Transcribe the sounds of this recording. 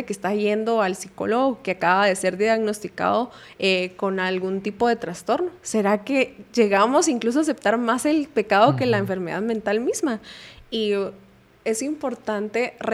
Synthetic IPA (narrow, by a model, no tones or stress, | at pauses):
ekest̪aʝe̞nd̪o̞alsiko̞̰loɣoke̞akaβaðe̞se̞ɾðjaɣno̞st̪ika̰ðo̞ | eko̞nalɣunt̪ipo̞ðe̞t̪ɾast̪o̞ɾno̞se̞ɾake̞ʝe̞ɣamo̞siŋklus̬oas̬e̞p̚t̪aɾmase̞lpe̞kað̞o̞ke̞laeɱfe̞ɾme̞ða̰ðmẽnt̪almizmai | e̞simpo̞ɾt̪ant̪e̞re